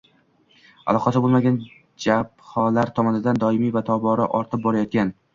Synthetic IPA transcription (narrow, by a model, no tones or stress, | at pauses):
alˠɒqʰɑsɪbolˠmaɡʲan | d͡ʒaphɒlaɾt̪ʰɒmɒnɪd̪and̪ɒɪmivat̪ʰɒbɒɾa̰ʔɒɾt̪ʰɪp̚bɒɾajɒt̪̚kʲan